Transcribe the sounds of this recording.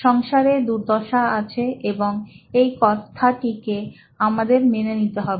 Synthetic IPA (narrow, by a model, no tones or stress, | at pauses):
ʃɔŋʃaɾed̪uɾd̪ʱɔʃaat͡ɕʰeeboŋejkɔt̪ʰaʈike | amad̪eɾmenenit̪eɦɔbe